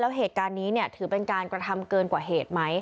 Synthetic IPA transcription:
lɛː˦˥wɦeː˨˩t̪̚kaː˧nːiː˦˥ni˥˩ɐət̪ʰɯː˩˦pe˧nkaː˧nkɾa˧t̪ʰa˧mkɤː˧nkwaː˨˩ɦeː˨˩t̪̚ma˦˥j

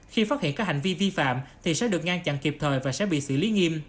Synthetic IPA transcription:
xi˧faː˦˥hḭ˧˨əkaː˦˥k̚ha˨˩ŋ̟vi˧vi˧fa̰ː˧˨mt̪ʰi˨˩sɛ̰˧˥ɗɨ˨˩ək̚ŋaː˧nt͡ɕa̰˧˨nki˨˩p̚t̪ʰəː˨˩jvaː˨˩sɛ̰˧˥ɓḭ˧˨sɨ̰˧˨li˨˦ŋi˧m

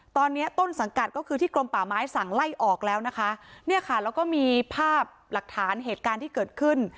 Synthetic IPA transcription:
t̪ɔː˧nːi˦˥ɐt̪o˥˩nsa˩˦ŋka˨˩t̪̚kɔː˥˩kʰɯː˧t̪ʰiː˥˩klo˧mpaː˨˩maː˦˥jsa˨˩ŋla˥˩jʔɔː˨˩k̚lɛː˦˥wna˦˥kʰa˦˥ni˥˩ɐkʰa˥˩ɾɛː˦˧˥wkɔː˥˩miː˧pʰaː˥˩p̚la˨˩k̚t̪ʰaː˩˦nɦeː˨˩t̪̚kaː˧nt̪ʰiː˥˩kɤː˨˩t̪̚kʰɯ˥˩n

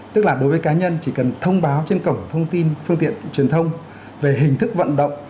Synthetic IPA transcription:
t̪ɨ˦˥k̚laː˨˩ɗo˨˦jvəː˨˦jkaː˨˦ɲə˧nt͡ɕi˧˩kə˨˩nt̪ʰə˧wŋ͡mɓaː˨˦wt͡ɕe˧nkə˧˩wŋ͡mt̪ʰə˧wŋ͡mt̪i˧nfɨ˧əŋt̪ḭ˧˨ənt͡ɕwi˨˩ənt̪ʰə˧wŋ͡m | ve˨˩ɦï˨˩ŋ̟t̪ʰɨ˦˥k̚və̰˧˨nɗə̰˧˨wŋ͡m

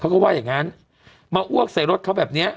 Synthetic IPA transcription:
kʰa˦˥wkɔ˥˩waː˥˩jaː˨˩ŋa˦˥n | maː˧ʔu˥˩ək̚sa˨˩˦jɾo˦˥t̪̚ʰa˦˥wbɛː˨˩p̚ni˦˥ɐ

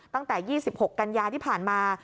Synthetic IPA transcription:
tt̪a˥˩ŋt̪ɛː˨˩jiː˥˩si˨˩p̚ho˨˩kːa˧njaː˧t̪ʰiː˥˩pʰaː˨˩nmaː˧

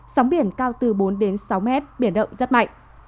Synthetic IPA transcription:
sa˨˦wɓi˧˩ənkaː˧wt̪ɨ˨˩ɓo˨˦nɗe˨˦nsa˨˦wmɛ˦˥t̚ɓi˧˩ənɗə̰˧˨wŋ͡mzə˦˥t̚ma̰˧˨jŋʔ

